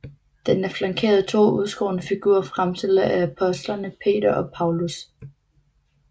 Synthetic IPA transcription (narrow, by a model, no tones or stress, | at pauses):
d̥enæɐflɑ̈ŋkʰe̝̰ːɐðˠt͡sʰo̝̰ːuðˠsɡ̥o̰ːnəfiɡ̥uɐ̰fʁamsel̰ɐʔææpʰɒ̽sd̥lɐnəpʰe̝̰ːdɐʔɒ̽pʰɑ̈ʊlus